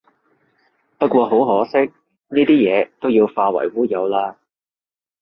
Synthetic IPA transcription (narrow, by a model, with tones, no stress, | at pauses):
pɐ˥t̚kʷɔː˧ɦo˨˥wɦɔː˨˥sɪ˥k̚ | niː˥t̪iː˥jɛː˨˧t̪o˥wjiː˧wfaː˧wɐ̰˨˩jwuː˥jɐ˨˧wlaː˥